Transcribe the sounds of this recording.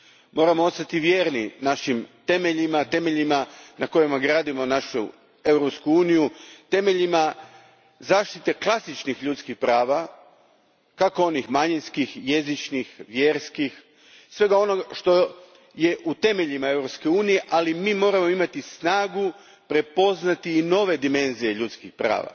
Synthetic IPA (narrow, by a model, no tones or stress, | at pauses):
mo̞ːɾamo̞ost̪at̪iʋje̞ːɾninaʃimt̪e̞meʎimat̪e̞me̞ʎimanako̞jemaɡɾaːd̪imo̞naʃu | e̞wɾopskuuːnijut̪e̞me̞ʎima | zaːʃt̪it̪e̞klˠasit͡ʃnixʎut̪skixpɾaːʋa | kako̞o̞nixmaɲinskixje̞zit͡ʃnixʋjeːɾskix | sʋe̞ɡao̞no̞ɡaʃt̪o̞ | je̞ʔut̪e̞me̞ʎimae̞wɾopske̞uːnije̞ʔalimiːmo̞ːɾamo̞imat̪isnaːɡu | pɾe̞po̞znat̪iːno̞ʋe̞d̪ime̞nzije̞ʎut̪skixpɾa̰ːʋa̰